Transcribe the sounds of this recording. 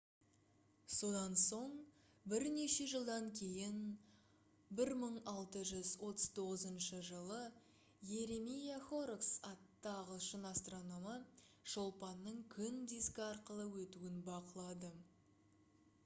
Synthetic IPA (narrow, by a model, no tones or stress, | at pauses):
so̞d̪ɑnso̞ɴ | bɪɾne̞ʃe̞ʒəlˠd̪ɑŋkʲʰe̞jɪn | bɪɾməɴɑlˠt̪əʒʏzwo̞t̪əz̥t̪ʰo̞ʁəzənʃəʒəlˠə | je̞ɾe̞mijaχo̞ɾksɑt̪ːɑʁəʃənɑst̪ronomə | ʒ̥o̞lˠpɑnːəɴkʲʰʏnd̪iskʲɑɾqəlˠəwɵt̪uɪnbɑqəlˠɑd̪ə